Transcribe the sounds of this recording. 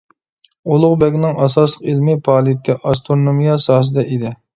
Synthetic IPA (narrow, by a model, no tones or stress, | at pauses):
olˠʊʁbɛɡʲnɪŋʔɑsɑslˠəqilmɪpʰɑːlˠit̪ʰɪʔɑs̬t̪ʰɾoɾnomijɑsɑːs̬ɨd̪ɛʔid̪ɪ